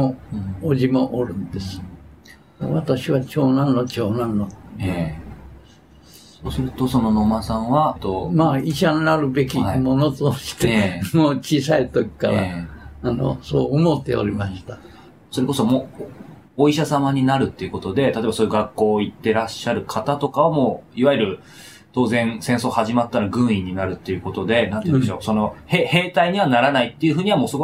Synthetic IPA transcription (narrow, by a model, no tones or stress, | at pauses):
moːʑimo̞ʔoɾɯ̟̃nd̪e̞sɨ̥ | oβat̪aɕiβat͡ɕo̞ːnãnːot͡ɕoːnãnːot̪ | soːsɨɾɯ̟t̪o̞so̞nonomasãɰ̃βat̪omaːiɕannaɾɯ̟be̞k̬ʲimo̞no̞t̪oɕi̥t̪e̞moːt͡ɕiːsait̪okʲi̥kaɾa̰ːno̞̰so̰ːomot̪ːe̞̰o̰ɾʲimaɕi̥t̪a | so̞ɾe̞ko̞so̞moː | oiɕasamaɲ̟inaɾɯ̟t̪ːe̞iɯ̟ko̞t̪o̞d̪e̞t̪at̪obasoːjɯɡakːo̞ːit̪ːe̞ɾaɕːaɾɯ̟kʰat̪at̪o̞kaβamo̞ːiβaiɾɯ̟ | t̪o̞ːzẽ̞ɰ̃sẽ̞ɰ̃so̞ːhaʑimat̪ːaɾaɡɯ̟̃ɰ̃iɲ̟ːinaɾɯ̟t̪ːe̞jɯ̟ko̞t̪o̞d̪e̞nanĩːnd̪eɕoso̞no̞hehe̞ːt̪aiɲ̟iβanaɾanait̪ːe̞iɯ̟ɸɯ̟ːɲ̟iβamo̞ːsoɡo